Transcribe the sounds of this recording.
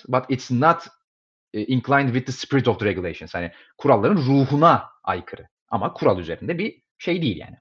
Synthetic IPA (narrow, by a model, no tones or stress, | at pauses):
bat̪it̪snat̪ː | ʔinkʰlˠaj̃nd̪vid̪̚ːəspiɾit̪ɔvd̪ɨɾeɡʲulʲˠejʃonshanɪ | kʰuɾalˠːaɾɯnɾuːhuna | a̰jkʰɯɾɯ | a̰makʰuɾalˠyze̞ɾind̪ɛbi | ʃe̞jd̪ejilʲja̰ːnɪ